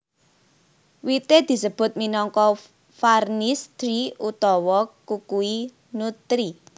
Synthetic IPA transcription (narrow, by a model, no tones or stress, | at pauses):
wit̪ed̪̥i̤səb̥ʊ̤t̪̚minɔŋkɔ | farnist̪ɾiut̪ɔwɔkukui | nut̪ɾi